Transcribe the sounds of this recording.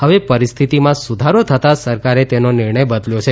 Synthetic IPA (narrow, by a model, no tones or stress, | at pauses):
ɦəʋepəɾist̪ʰit̪imãsud̪ʱaɾot̪ʰət̪asəɾkaɾet̪enonɪɾɳəjbəd̪ljot͡ʃʰe